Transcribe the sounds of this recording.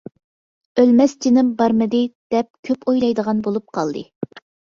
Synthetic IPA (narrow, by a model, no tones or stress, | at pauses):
ølmɛst͡ʃinɪmbɑɾmɨd̪ɨd̪̥ɛp̚kʲʰøpojlˠɑjd̪əʁɑnbolˠup̚qʰɑlˠd̪ɨ̰